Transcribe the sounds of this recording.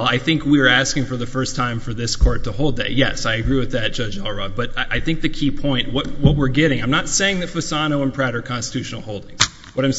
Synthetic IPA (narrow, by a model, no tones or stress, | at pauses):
lˠaɪθɪ̃ŋkwiə˞æskɪ̃ŋfə˞ðɨfɜ˞stʰãɪ̃ɱfə˞ðɪskʰɔɹtʰəhoʊlˠdeɪjɛ̰saɪɨɡɹiwɨðɨt̚d̥ʒ̥ʌd͡ʒɑlˠɹʌb̥ʌɾaʔaɪθɪ̃ŋk̚ðɨkʰipʰɔ̃ɪ̃nʔ̚wʌt̚wʌt̚wɪɹɡɛɾɪ̃ŋãɪ̃mnətseɪɪ̃ŋðɨtfɨsɑnoʊə̃npʰɹ̥æɾə˞kʰɑ̃nstə̥tʰʉʃn̩l̩ˠhoʊlˠdɪ̰̃ŋz̥ | wʌɾãɪ̃m